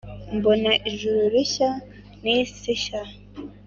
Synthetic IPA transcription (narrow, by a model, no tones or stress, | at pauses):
mbonaʔiʒuɾuɾiça | nisiʃa